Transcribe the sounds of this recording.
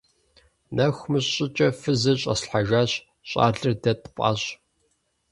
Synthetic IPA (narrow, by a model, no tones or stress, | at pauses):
nʔɐxʷmɨɕɕʼɪt͡ʃʼɐfɨzɐɕʼɐ̰sɬħaʒaːɕ | ɕʼa̰ːɮɨrdɐtʰpʼa̰ːɕ